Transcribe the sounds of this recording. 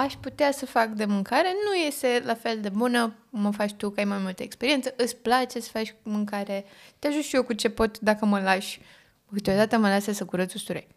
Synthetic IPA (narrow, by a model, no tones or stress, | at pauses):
aʃʲput̪easəfakd̪e̞mɨŋkaɾe̞nuje̞st̪e̞lafe̞ld̪e̞bunəməfat͡ʃt̪ukajmajmult̪əekspeɾient̪səʔɨt̪sʲplat͡ʃe̞sə̥fat͡ʃʲmɨŋkaɾe̞t̪eaʒut̪ʃijokut͡ʃe̞po̞t̪d̪akəməlaʃʲ | kɨt̪eo̞d̪at̪əməlasesəkuɾət̪sust̪uɾḛ